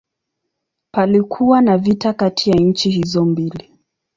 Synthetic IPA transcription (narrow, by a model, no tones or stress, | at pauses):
palikʰuwanavitakatʰijaɲ̩t͡ʃihizɔmbili